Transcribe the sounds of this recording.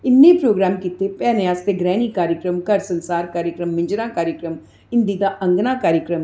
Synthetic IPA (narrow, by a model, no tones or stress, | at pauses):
ɪnːẽːpɾoːɡɾaːmkit̪eːpɛːneaːst̪eːɡɾɛːniːkaːɾjəkɾəmkəɾsənsaːɾkaːɾjəkɾəmːɪ̃ɲd͡ʒɾãːkaːɾjəkɾəm | ɪ̃nd̪iːd̪aːʔəŋɡnãːkaːɾjəkɾəm